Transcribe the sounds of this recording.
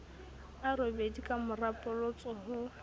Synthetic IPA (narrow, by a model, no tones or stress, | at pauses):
arɪbedikʼamʊrapʼʊlʊt͡sʼɔɦʊ